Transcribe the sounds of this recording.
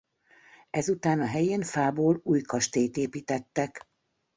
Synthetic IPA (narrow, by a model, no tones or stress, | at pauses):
ɛzut̪aːnɒɦɛjeːnfaːboːluːjkɒʃt̪eːjt̪eːpiːt̪ɛt̪ːɛk